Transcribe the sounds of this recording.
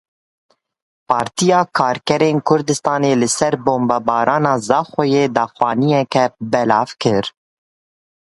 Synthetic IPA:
pʰɑːɾt̪ijɑːkʰɑːɾkɛɾeːnkʰʊɾd̪ɨst̪ɑːneːlɨsɛɾboːmbɑːbɑːɾʔɑːnɑːzɑːxojeːd̪ɑːxwɑːnijɛkɛbɛlɑːvkɨɾ

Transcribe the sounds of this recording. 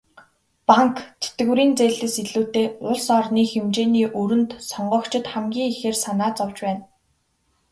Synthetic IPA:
paŋkt͡sʰe̥t̪ɡɘ̆wɾiːnt͡seːɮɘ̆siɮuːt̪eːʊɮsɔrniːxemt͡ɕeːniːʔɵɾɵ̆nt̪sɔɴɢɞ̆ːkt͡ɕʰɪ̆t̪χæmɡʲiːŋixeːrsanaːt͡sɔwt͡ɕpæːn

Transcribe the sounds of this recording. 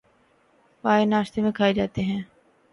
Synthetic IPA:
paːenaːʃt̪emẽkʰaːed͡ʒaːt̪eɦɛ̃ː

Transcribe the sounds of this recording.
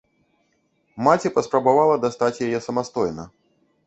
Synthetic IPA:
mat͡sʲipɐspɾɐbavalˠɐd̪ast̪at͡sʲjajɛsɐmast̪ɔjnɐ

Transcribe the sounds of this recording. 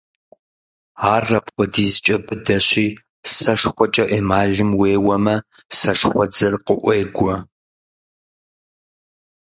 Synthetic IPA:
aːrːɐpχʷɔdiːzt͡ʃʼɐbɨdɐɕiː | sɐʂxʷɔt͡ʃʼɐʔeːmaːɮɨmweːwɐmɐsɐʂχʷɔd͡zɐrqəʔʷeːɡʷɔ

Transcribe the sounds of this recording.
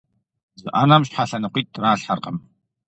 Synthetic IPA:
zɨ̰ʔaːnamɕħaɬɐnɨqʷiːt̚raːɬħarqəm

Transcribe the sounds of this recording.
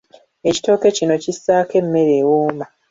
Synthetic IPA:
e̞ci̥to̞ːke̞cino̞cisːaːke̞mːe̞ɾeːwoːma

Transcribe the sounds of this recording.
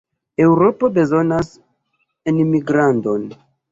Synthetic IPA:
e̞wɾo̞po̞be̞zo̞nas | enmiɡɾando̞n

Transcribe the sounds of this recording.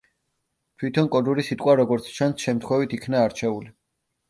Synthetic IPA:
t̪ʰwit̪ʰɔnkʼɔd̪uɾisit̪ʼqʼwaɾɔɡɔɾt̪sʰt͡ʃʰansʃɛmt̪ʰχwɛvit̪ʰikʰnaːɾt͡ʃʰɛuli

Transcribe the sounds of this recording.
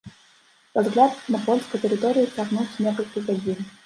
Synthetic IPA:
pazɣlʲat̪nɐpɔlʲskəjt̪əɾɨt̪ɔɾʲijiaɣnusʲnʲɛkɐlʲkʲiɣɐd͡zʲin

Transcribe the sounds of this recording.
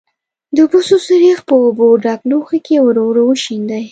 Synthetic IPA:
d̪əbososəɾixpəːboɖɑkloxakewəɾowɾowəʃind̪aj

